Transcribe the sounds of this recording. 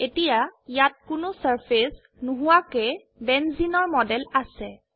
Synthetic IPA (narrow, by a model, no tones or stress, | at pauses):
etijajat̚kʊnʊsaɹpʰes | nʊɦʊwakɛ | bɛnzinɔɹmɔdɛlasɛ